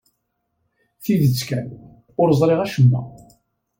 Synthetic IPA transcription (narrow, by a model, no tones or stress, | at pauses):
θiðət͡sːkæn | ʊɾəzˤɾˤeʁæʃəmːæ̰